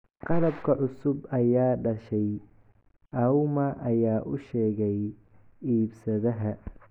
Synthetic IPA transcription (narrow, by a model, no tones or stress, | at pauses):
qɑlɐbkʰɐʕʊsʊbɐjaːɖɐʃɛj | ʔɐwmɐʔɐjaːʔʊʃɛːɣɛj | iːbsɐðɐɦɐ